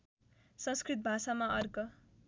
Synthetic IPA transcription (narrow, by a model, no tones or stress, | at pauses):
sʌ̃nskrit̪̚bʱasamaʔʌrkʌ